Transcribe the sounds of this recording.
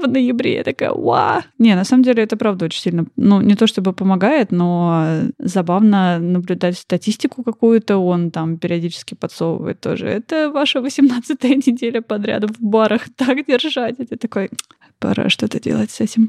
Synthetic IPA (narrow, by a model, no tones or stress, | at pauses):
vnəjɪbɾʲḛɛ̰t̪ɐka̰jə̰a̰nʲe̞nɐsaməmdʲelʲɪɛt̪əpɾavd̪əo̞t͡ɕʲɪnʲsʲilʲnənunʲɪt̪o̞ʂt̪o̞bɨpəmɐɡajɪt̪no̞ | zɐbavnənəblʲʉd̪atʲst̪ɐtʲisʲtʲɪkʊkɐkujʊt̪əo̞nt̪ampʲɪɾʲɪɐdʲit͡ɕɪ̥skʲɪpɐt̪soə̰və̰jɪ̰t̪ːo̰ʐɨ̰ɛt̪əvaʂəvəsʲɪmnat̪sɨt̪əjənʲɪdʲelʲəpɐd̪ɾʲa̰d̪ʊvbaɾəxt̪akdʲɪrʐatʲɛt̪ət̪ɐko̞j | pɐ̰ɾa̰ʂt̪o̞t̪ədʲelˠətʲsɛtʲɪm